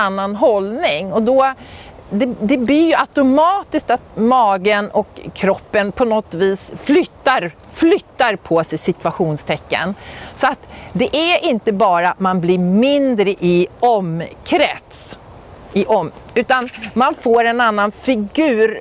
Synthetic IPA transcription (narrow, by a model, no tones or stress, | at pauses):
anːanɦɔlnɪŋɔd̪ɔ | d̪ɛd̪ɛblɪjɵʔat̪ʊmɑːt̪ɪsk̚t̪at̪̚mɑːɡənɔkʰːɾɔpːənpʰɔnɔt̪viːsflʏt̪ːaɾ | flʏt̪ːaɾpʰɔsɛjsɪt̪ʉaɧuːnst̪ʰɛkːə̰nsɔat̪d̪ɛʔæɾʔɪnt̪əbɑːɾamanblɪɾmɪnd̪ɾəʔɪɔmkʰɾɛt̪s | ɪʔɔmʉ̟ːt̪anmanfoːɾɛnanːanfɪɡʉ̟ːɾ